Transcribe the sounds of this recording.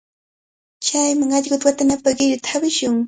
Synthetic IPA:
t͡ʃajmaŋɑʎɢʊt̪wat̪anapaɢɪɾʊt̪aabɪʃʊŋ

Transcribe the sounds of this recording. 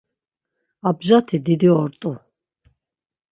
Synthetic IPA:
abʒat̪ʰid̪id̪iɔɾt̪ʼu

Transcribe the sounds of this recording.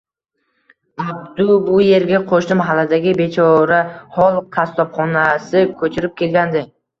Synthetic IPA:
ab̚d̪ʊbʊje̞ɾɡʲaqʰoʃnɪmɦalːad̪aɡʲɪbe̞t͡ʃʰɒɾahɒlˠqʰast̪ɒpχɒnasɪkʲʰɵt͡ʃʰɪɾɪp̚kʲʰe̞lɡʲand̪ɪ

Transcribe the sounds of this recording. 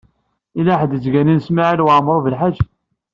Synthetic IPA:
ilaħd̪ət͡sɡæninsmaʕilwʕmːɾˤovəlħad͡ʒ

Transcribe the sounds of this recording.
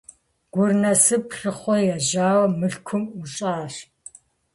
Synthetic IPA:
ɡ̥ʷʊrnɐsɨprɨχʷɔjaʒaːwɐmɨɬkʷʰʊmuɕʼaːr

